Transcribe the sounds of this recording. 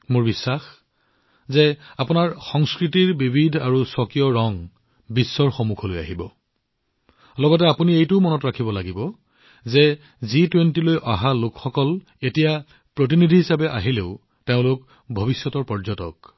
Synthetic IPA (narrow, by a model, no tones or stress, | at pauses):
moɹbisːax | zɛapʊnaɹxɔŋskɹitiɹbibʱidʱaɹusɔkijɔɹɔŋ | bisːɔɹxomukʰɔloja̰ɦibɔ | lɔɡɔtɛapuniejtʊmɔnɔtɹakʰibɔlaɡibɔ | zɛ | zitwentilojʔaɦalokxɔkɔl | etija | pɹot̬inidʱiɦisabɛʔaɦileʊ | teʊ̃lʊk | bʱɔbisjɔtɔɹpɔɹzɔtɔ̰k̚